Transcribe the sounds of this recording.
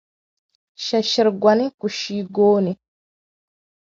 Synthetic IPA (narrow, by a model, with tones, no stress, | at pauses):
ʃa˨ʃi˨ɾɡwʷa˨ni˦ku˨ʃiː˦ɡoː˦ni˨